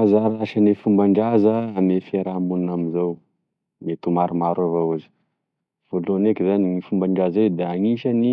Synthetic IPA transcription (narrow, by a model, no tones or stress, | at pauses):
azaɾaʃanefumbaɳɖ͡ʐazəamefeɾamunnaminzaw | met̪umaɾumaɾavawazi̥ | v̥olonekizaniŋifumbaɳɖ͡ʐazed̪eaŋiʃani